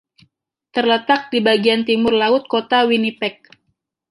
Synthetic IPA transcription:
t̪ərlət̪ak̚dibaɡiant̪imʊrlaʊt̪̚kot̪awinipɛk̚

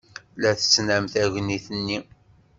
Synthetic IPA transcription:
læθət͡sːnæmθæʝniθənːi

